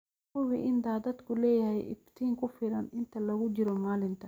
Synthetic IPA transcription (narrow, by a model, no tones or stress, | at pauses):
kʊwɪʔɪnd̪aːd̪ɐd̪kʰʊlɛːjɐhɛjʔɪ̰ft̪ʰiːŋkʰʊfɪɾɐnɪnt̪ʰɐlɐɣʊd͡ʒɪɾɔmaːlɪnt̪ʰɐ